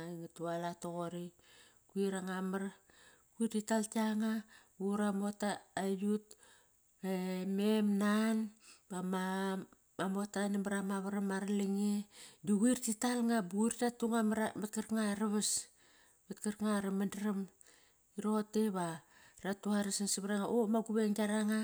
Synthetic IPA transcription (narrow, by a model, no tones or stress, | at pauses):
aiŋatualatoɣoɾi | kuiɾaŋamaɾ | kuiɾtitaltaŋabuɾamo̞taːjut | ememnanbama | amo̞tanamaɾamaβaɾamaɾaliŋeduɡiɾtitalŋabuiɾtatuŋamɾamat̚kaɾkŋaɾaβas | metkaɾkŋaɾemandɾam | iɾoteβaɾatuaɾasansiβɾaŋaʔomaɡuβeŋɡaɾaŋa